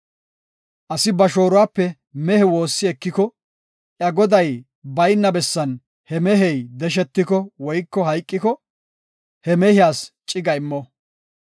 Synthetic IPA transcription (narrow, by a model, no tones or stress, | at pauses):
ʔɐsɪbɐʃoːɾʊwaːpːɛ | mɛhɛwo̞ːsːɪɛkːɪkɔ | ʔjɐɡɔd̪ɐj | bɐjnːɐbɛsːɐn | hɛmɛɦɛjd̪ɛʃ̬ɛt̪ːɪkɔwɔjkːɔhɐjkʼːɪkɔ | hɛmɛhɪjaːst͡ʃʼɪɡɐɪmːɔ